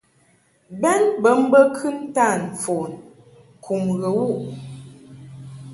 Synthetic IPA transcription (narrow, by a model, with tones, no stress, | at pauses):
bɛ˦nbə˨˦m̩˦bə˦kʰɨ˦n˦ta˦˨n˨fo˨n | kʰu˨mɣə˨wu˦˨ʔ